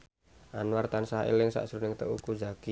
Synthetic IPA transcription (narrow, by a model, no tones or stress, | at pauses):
ʔanwart̪ansaɦḛlɪŋsa̰ʔsɾunɪŋt̪əukud͡ʒaki